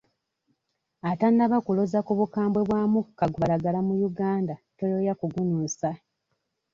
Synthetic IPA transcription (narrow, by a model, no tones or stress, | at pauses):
atanːaβakulozakuβukaːmbwe̞βwaːmukaɡuβaɾaɡalamujuɡaːndatojojakuɡunuːsa